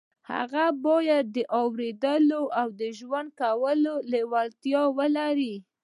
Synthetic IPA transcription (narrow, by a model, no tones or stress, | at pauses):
ha̰ɣabɑjad̪̚ːəʔɑwɾed̪əloʔawd̪əʒwand̪̚kawəlolewalt̪jɑwəlaɾi